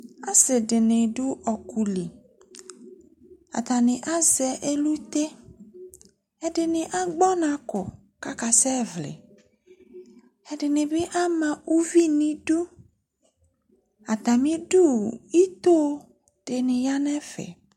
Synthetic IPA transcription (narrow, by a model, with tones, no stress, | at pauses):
a˦sɪ˨dɪ˨nɪ˨ɖu˦ʔɔ˨ku˨li˨ | a̰˨t̪a˨nɪ̃˨ʔa˦zɛ˨ʔe˦lu˦t̪e˦ | ɛ˨dɪ˨nɪ̃˨ʔa˦ɡ͡bɔ˦nã˨kɔ˨ | ka˦ka˨sɛ˦vlḛ˨ | ɛ˨ɖɪ˨nɪ˨be˦ʔa˦mã˨u˦vi˦nĩ˨du˦ | a˨t̪a˨mĩ˦ɖu˦˨i˦t̪o˦ | t̪e˨nɪ̃˨ja˦nɛ̃˦fɛ̰˨